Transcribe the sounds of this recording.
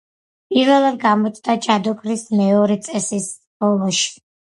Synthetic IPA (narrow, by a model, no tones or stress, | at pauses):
pʼiɾvɛlˠad̪ɡamɔt̪sʼd̪ad͡ʒad̪ukʼɾismɛɔɾɛt̪sʼɛsis | bɔlˠɔʃi̥